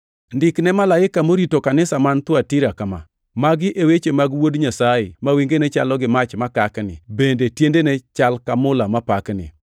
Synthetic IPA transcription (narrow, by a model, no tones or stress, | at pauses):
ndɪknɛmalaɪkamoɾitokanɪsamant̪watiɾakama̰ | maɡɪʔewet͡ʃemaɡwodɲasajɪmawiŋɡenet͡ʃalɔɡɪmat͡ʃmakaknɪ̰bendetjendenet͡ʃalkamʊlamapaknɪ̰